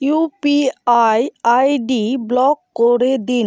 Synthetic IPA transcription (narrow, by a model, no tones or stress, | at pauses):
jupiajajɖiblɔkːoɾed̪in